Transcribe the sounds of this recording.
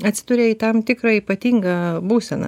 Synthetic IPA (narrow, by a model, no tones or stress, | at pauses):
ɐt̪ʲsʲɪd̪ʊɾʲeːiːt̪ɐmt̪ʲɪkɾɐiːpɐt̪ʲiːŋɡɐbuːsʲɛnɐ̰